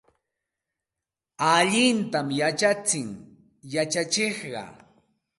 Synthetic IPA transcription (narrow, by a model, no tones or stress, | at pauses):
aʎɪnt̪amjat͡ʃat͡sɪŋ | jat͡ʃat͡ʃeχɢɑ̰